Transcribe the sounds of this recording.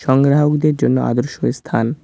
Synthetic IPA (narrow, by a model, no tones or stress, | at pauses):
ʃɔŋɡɾaɦokd̪eɾd͡ʑonːoa̰d̪oɾʃost̪ʰan